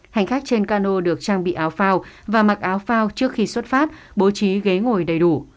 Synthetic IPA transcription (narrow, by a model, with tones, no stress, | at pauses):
ha˨˩jŋ̟xa˦˥jk̚t͡ɕe˧nkaː˧no˧ɗɨ˨˩ək̚t͡ɕaː˧ŋɓḭ˧˨ʔaː˨˦wfaː˧wvaː˨˩ma˨˩k̚ʔaː˨˦wfaː˧wt͡ɕɨ˦˥ək̚xi˧swə˦˥t̚faː˦˥t̚ | ɓo˨˦t͡ɕi˨˦ɣe˨˦ŋo˨˩jɗə˨˩jɗu˧˩